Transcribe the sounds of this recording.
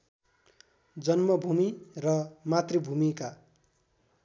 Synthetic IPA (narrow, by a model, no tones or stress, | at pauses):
d͡zʌnmʌbʱumirʌmat̪ribʱumika